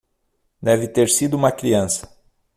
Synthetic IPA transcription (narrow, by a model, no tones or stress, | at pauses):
d̪ɛvɪt̪eɾsid̪ʊũmɐkɾiɐ̃sɐ̥